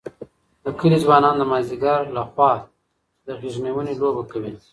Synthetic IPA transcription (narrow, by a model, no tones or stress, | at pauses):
d̪əkəlizwɑnɑnd̪əmɑziɡɑɾlaxwɑ | d̪əɣiʒnewənelobakawi